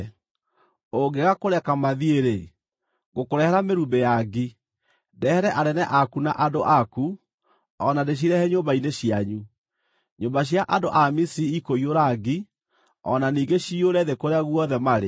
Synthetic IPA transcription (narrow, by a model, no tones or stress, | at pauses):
oɡeɣakoɾɛkamaðieɾe | ɡokoɾɛhɛɾameɾumbejaɡi | dɛhɛɾɛʔaɾɛnɛʔakunaʔadoʔaku | ɔnadeɕ̬iɾɛhɛɲoːmbaineɕiaɲu | ɲoːmbaɕ̬jaʔadoʔamisiiikoioɾaɡi | ɔ̰naniːɡeɕioɾɛðekoɾeaɣwɔðɛmaɾe